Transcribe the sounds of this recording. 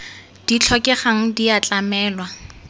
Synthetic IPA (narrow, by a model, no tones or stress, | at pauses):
d̥it͡ɬʰɔkʼɛχaŋ̩diat͡ɬʼamɛːlwa